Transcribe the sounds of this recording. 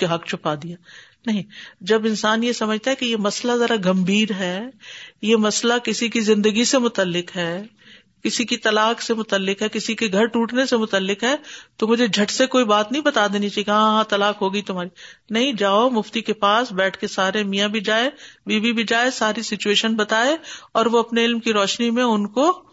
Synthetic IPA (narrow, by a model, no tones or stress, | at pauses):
keɦɐkt͡ʃʰʊpad̪ijaː | nɐɦĩd͡ʒɐbɪnsaːnjesɐməd͡ʒʱt̪aɦɛkijemɐslazɐɾaɡɐ̃mbʱiːɾɦɛːjemɐslakɪsikizɪ̃nd̪əɡisemʊt̪əlːɪkɦɛː | kɪsikit̪ɐlaːksemʊt̪əlːɪkɦɛkɪsikeɡʱɐɾʈuːʈnesemʊt̪əlːɪkɦɛːt̪omʊd͡ʒʱed͡ʒʱɐʈsekoːibaːt̪nɐɦĩbɐt̪aːd̪eːnit͡ʃaːiɡãɦãt̪ɐlaːkɦoːɡəit̪ʊmɦaːɾinɐɦĩd͡ʒaːomʊft̪ikepaːsbɛːʈʰkesaːɾemijãbʱid͡ʒaːebiːbʱibʱid͡ʒaːesaːɾisɪt͡ʃueːʃənbɐt̪aːeɔːɾʋoɐpneɪlmkiɾɔːʃnimẽʊnko